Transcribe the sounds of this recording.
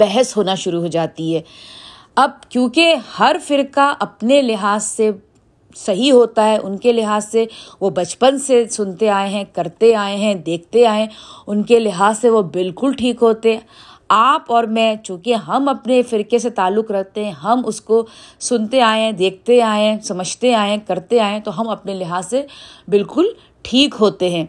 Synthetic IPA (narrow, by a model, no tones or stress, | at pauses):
bɛɦɛsɦoːnaʃʊɾuɦoːd͡ʒaːt̪iɦɛː | ɐb̚kjõːkehɐɾfɪɾkaʔɐpnelɪɦaːzse | sɐɦiɦoːt̪aɦɛʔʊnkelɪɦaːzseʋobɐt͡ʃpənsesʊnt̪eaːẽɦɛ̃kɐɾt̪eaːẽɦɛ̃d̪eːk̚ʰt̪eaːẽʊnkelɪɦaːzseʋobɪlkʊlʈʰiːkɦoːt̪eɦɛ̃ | aːpɔːɾmɛ̃ːt͡ʃũːkeɦɐmɐpnefɪɾkeset̪aːlːʊkɾɐɦt̪eɦɛ̃ɦɐmʊskosʊnt̪eaːẽɦɛ̃d̪eːk̚ʰt̪eaːẽsɐməd͡ʒʱt̪eaːẽkɐɾt̪eaːẽt̪oɦɐmɐpnelɪɦaːzsebɪlkʊl | ʈʰiːkɦoːt̪eɦɛ̃ː